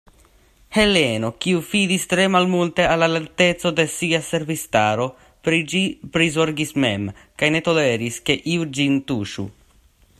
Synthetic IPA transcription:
he̞le̞no̞kiufidistɾe̞malmulte̞alaleɾte̞t͡so̞de̞siase̞ɾvistaɾo̞ | pɾid͡ʒipɾizoɾɡisme̞̰mkajne̞to̞le̞ɾiske̞ʔiud͡ʒintuʃṵ

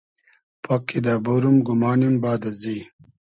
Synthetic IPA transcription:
pʰɐkːid̪abuɾumɡumaːnimbaːd̪ɐzi

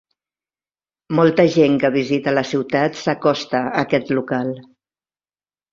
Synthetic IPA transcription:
mɔlˠt̪əʒeŋkəβ̞izit̪ələsiwt̪at̪səkɔst̪əəkɛt̪lukalˠ

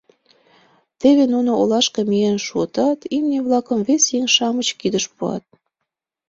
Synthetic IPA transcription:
t̪eβenunoolɑʃkemijenʃuət̪ɑt̪imniβlɑkəmvesjeŋʃɑmət͡ɕkid̪əʃpuɑ̰t̪̚

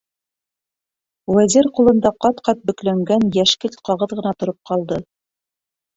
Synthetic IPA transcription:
wæziɾqulˠɤ̆nd̪ɑqɑt̪qɑt̪̚bɵ̆klæŋɡænjæʃkɘt̪qɑʁɤðʁɤ̆nɑt̪ŏɾop̚qɑlˠd̪ɤ

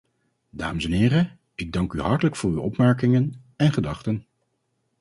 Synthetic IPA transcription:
da̰ːməsɛnɪːrə | ɪɡ̚dɑŋkyɦɑɹtələkfʊːɹywɔpmɛɹkɪŋən | ɛnχədɑχtən

